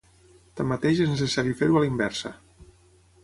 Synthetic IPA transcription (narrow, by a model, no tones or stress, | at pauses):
t̪amːat̪eʃeznəs̬əsaɾjufeɾualimbɛɾsə̰